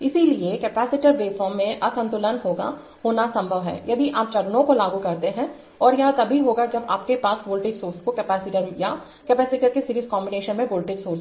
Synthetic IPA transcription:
ɪsiliekɛːpɛːsɪʈəɾbeːfʰɔ̃ːmːẽʔɐsə̃nt̪ʊlənɦoːɡa̰ | hoːnasɐ̃mbʱəʋɦɛ̰ːjɐd̪ʱiʔaːp̚t͡ʃɐlnõkolaːɡukɐɾt̪eɦɛ̃ | ɔːɾjɐɦt̪ɐbʱiɦoːɡad͡ʒɐbaːpkepaːsboːlʈɪɡsoːɾskokɛpɛːsɪʈəɾja | kɛpɛːsɪʈəɾkesɪɾiːzkɔːmbɪneːʃənmẽboːlʈɪɡsoːɾs

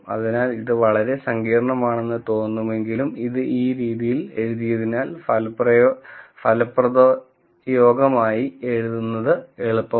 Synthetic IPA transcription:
ɐ̰ðinaːliðɨʋɐɭɐɾe̞sɐŋɡiːɾɐɳɐmaːɳe̞nːɨt̪o̞ːnːume̞ŋɡilumiðɨʔiːɾiːðijile̞ɻuðijɐðinaːlfɐlprɐjfɐlɐpːrɐðo | jo̞ːɡɐmaːjie̞ɻuðunːɐðɨeɭupːɐ

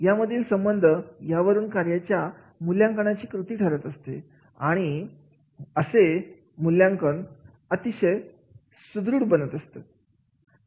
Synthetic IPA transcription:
jaməd̪ʱiːlsəmbənd̪ʱəjaʋəɾuːnkaɾjat͡ɕja | muljaŋkəɳ̃at͡ɕiːkɾut̪iːʈʰəɾət̪əst̪e | a̰ɽ̃i | əse | muljãŋkəɳ | ət̪iɕəj | sud̪ɾuːɽbənət̪əst̪e

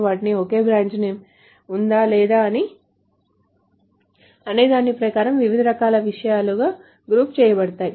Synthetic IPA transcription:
ʋaːʈinioke̞ːbɾaːɲt͡ʃneːm | und̪aːlɛːd̪aːɐni | ɐneːd̪aːnːipɾɐkaːɾɐmʋiʋid̪ʱɐɾɐkaːlɐʋiʂɐjaːluɡaː | ɡɾuːpt͡ʃɛːjɐbɐɽɐt̪aːji

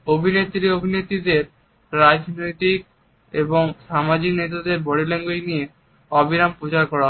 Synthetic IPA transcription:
obʱinet̪ːɾiobʱinet̪id̪eɾ | ɾad͡ʑnojt̪ik̚ | eboŋʃamad͡ʑiknet̪ad̪eɾbɔɽileŋɡojnije | ɔbiɾampɾot͡ɕaɾkɔɾaɦ

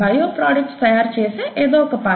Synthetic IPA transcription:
aːjoːpɾɔːɖək̚ʈsɐjaːɾt͡ʃeːseʔeːd̪oːkɐpaː

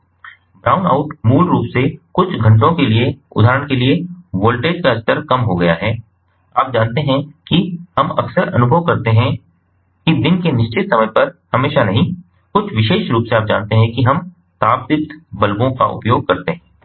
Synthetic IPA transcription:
bɾaːʊna̰ːʊʈmuːlɾuːpsekʊt͡ʃʰɡʱɐ̃ɳʈõkelieʊ̰d̪ʱaːɾəɽ̃kelieʋoːlʈeːd͡ʒkaɐst̪əɾkɐmɦoɡɐjaɦɛː | aːp̚d͡ʒaːnt̪eɦɛ̃kiɦɐmɐ̰ksəɾɐ̰nʊbʱəʋkɐɾt̪eɦɛ̃ | kid̪ɪnkenɪʃt͡ʃɪt̪sɐməjpɐɾhɐmeːʃanɐɦĩ | kʊt͡ʃʰʋɪʃeːʃɾuːpseaːp̚d͡ʒã̰ːnt̪eɦɛ̃kiɦɐm | t̪aːb̚d̪ɪt̪bɐlbõka̰ʔʊ̰pjoːɡ̚kɐɾt̪eɦɛ̃ː

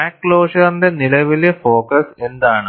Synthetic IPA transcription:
akːloːʂɐrnd̪enilɐʋilefo̞ːkɐse̞nd̪aːɳɨ

